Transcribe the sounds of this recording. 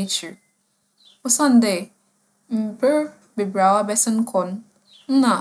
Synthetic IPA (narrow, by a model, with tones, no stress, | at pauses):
e˦t͡ʃu˨ | ʊ˦sã˦n̩˦de˨ | m̩˨bɛ˦ | be˨bɾa˨wa˦bɛ˦sɪ̃˦n̩˦kʰɔ˨n̩˦ | n̩˦na˨